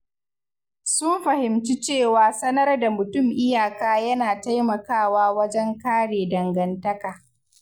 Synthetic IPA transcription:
sʊ˦mɸɐ˨hɪ˨mt͡ʃi˦t͡ʃeː˦˨waː˨sɐ˦nɐ˦rda˨mʊ˨tʊ˦˨mʔɪ˦jaː˨kaː˦jɐ˦naː˨ta˦jmɐ˨kaː˦˨waː˦wɐ˦d͡ʒɛ˦ŋkaː˦ɽeː˨dɐ˨ŋɡɐ˨ntɐ˦kaː˨

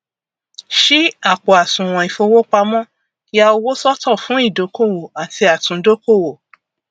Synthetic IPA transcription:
ʃi˦a˦˨k͡po˨a˨tũ˨w̃ɔ̃˨i˨fo˧wo˦k͡pa˧mɔ̃˦ | ja˧o˧wo˦sɔ˦tɔ˦˨fũ˨˦i˦˨do˨˦ko˦˨wo˨a˨ti˧a˨tũ˨˦do˦ko˦˨wo˨

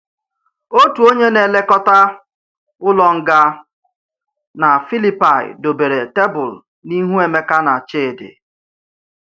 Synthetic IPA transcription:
o˦tu˨o˦ɲe˦ne˨le˦kɔ˦ta˦ | ʊ˦lɔ˨ŋ̩˦ɡa˦ | na˨fi˦li˦pa˨ɪ̰˨do˨be˨ɾe˨te˦bʊ˨l | ni˦ɦu˦e˨me˦ka˦na˨t͡ʃe˦˨dɪ̰˨

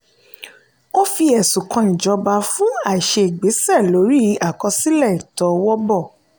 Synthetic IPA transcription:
o˦fi˧ɛ˨sũ˨kʰɔ̃˧nĩ˨d͡ʒɔ˨˧ba˧fũ˦a˦˨i˨ʃe˧e˨ɡ͡be˨˦sɛ˦˨lo˨˦ɾi˦a˦˨kɔ˧si˦lɛ˦˨i˨tɔ˧wɔ˦bɔ˦˨

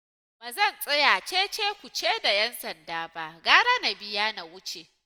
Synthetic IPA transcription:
baː˨zɐ˦˨nsʼɐ˦jaː˨t͡ʃeː˦t͡ʃeː˦kʷu˨t͡ʃeː˦da˨jɛ˦nsɐ˨ndaː˦ba˦ʔɡaː˦ɾa˦na˨bɪ˦jaː˦na˨wʊ˦t͡ʃe˨

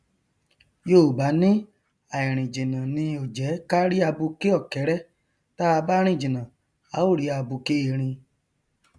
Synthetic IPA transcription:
jo˦˨ba˨˦nĩ˦ | a˨i˨ɾ̃ĩ˨d͡ʒĩ˨nã˨nĩ˧o˨d͡ʒɛ˨˦ka˦ɾi˦a˧bu˧ke˦ɔ˦˨kɛ˨˦ɾɛ˦ | ta˦a˧ba˦ɾ̃ĩ˦˨d͡ʒĩ˨nã˨ | a˨˦o˦˨ɾi˨˦a˧bu˧ke˦e˨ɾ̃ĩ˧

